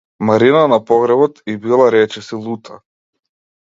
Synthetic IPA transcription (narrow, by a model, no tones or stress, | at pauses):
maɾinanapɔɣɾɛbɔt̪ibilˠaɾɛt͡ʃɛsilˠut̪ʰa